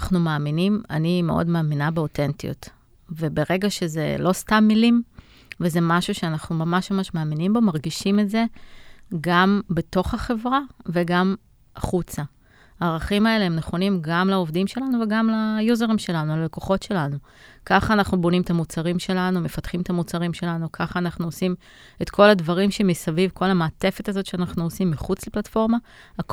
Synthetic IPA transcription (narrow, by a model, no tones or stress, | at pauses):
χnumaːminima̰nime̞ʔo̞̰dmaːminabeo̞te̞ntio̰t | ve̞be̞ʁe̞ɡaʃe̞ze̞̰lo̞stamːilim | veze̞maʃuʃeanaχnumamaʃmamaʃmaːminimbo̞maʁɡiʃimetze̞ | ɡambe̞to̞χaχe̞vʁave̞ɡam | ʔaχut͡sa | aːʁaχimae̞leemneχo̞nimɡamlaovdimʃe̞lanuveɡamlajuzeʁimʃe̞lanulaleko̞χo̞tʃe̞lanu | kaχaːnaχnubo̞nimet̪amut͡saʁimʃe̞lanume̞fat̪χimet̪amut͡saʁimʃe̞lanukʰaχaːnaχnuosim | e̞t̪kʰo̞ladvaʁimʃemisavivko̞lamaːte̞fetazo̞t̪ʃeanaχnuosimːiχut͡sleplatfo̞ʁma | ak